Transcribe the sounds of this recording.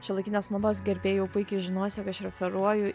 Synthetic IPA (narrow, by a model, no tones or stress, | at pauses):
ʃʲɛlˠɐɪkʲːnʲeːsmod̪oːsɡʲɛɾʲbʲeːjɛʊpʊɪkʲɪʒʲɪnoːsʲɛkɐʃɾʲɛfʲɛɾuɔjʊ